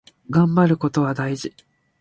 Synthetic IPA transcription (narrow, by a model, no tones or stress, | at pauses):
ɡãmbaɾɯ̟ko̞t̪o̞βad̪aiʑi